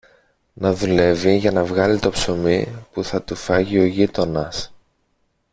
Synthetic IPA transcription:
nɐðule̞viʝɐnɐvɣɐlit̪o̞pso̞mipuθɐt̪ufɐʝio̞ʝit̪o̞nɐs

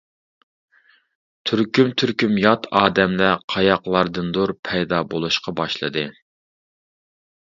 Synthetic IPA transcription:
t̪ʰyɾkʲymt̪ʰyɾkʲymjɑt̪ʰɑːd̪ɛmlɛqʰɑjɑqlˠɑɾd̪ɨnd̪oɾpʰɛjd̪ɑbolˠuʃqɑbɑʃlˠɨ̰d̪ɨ

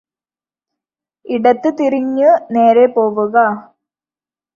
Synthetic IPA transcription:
iɽɐt̪ːɨt̪iriɲːɨne̞ːɾepoːʋuɣɐ

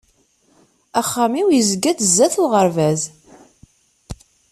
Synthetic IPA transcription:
æχːæmiwjəzəɡːæθzːæθʊʁəɾvæz

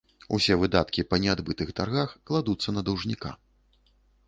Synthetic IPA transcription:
ṵsʲɛvɨd̪at̪kʲipɐnʲɛad̪bɨt̪ɨxt̪arɣaxklˠad̪ut̪sːɐnɐd̪ɐwʐnʲika̰

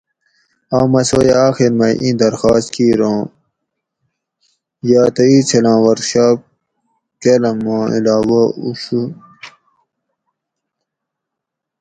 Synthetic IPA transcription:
aːmɐsojaːxiɾmɐʔĩd̪ɐɾxaːst̪kʰiːɾõː | jaːt̪ɐiːt͡sʰelãːwɐɾɕaː | kelɐmãːḭlaːwaṵɕu

